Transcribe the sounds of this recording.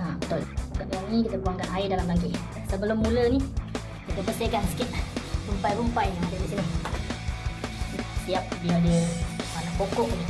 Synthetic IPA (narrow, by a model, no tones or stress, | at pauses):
abət̪ʊlukaʔ̚laŋikit̪əbuaŋkanaɪdalambaŋk̬iʔ | nsəbəlʊmːuləni | kit̪əbəsɪhkansə̥kɪt̪̚rumpajɾumpajaŋadədiʔsini | st̪iap̚biadəanaʔpokɔʔbaɡi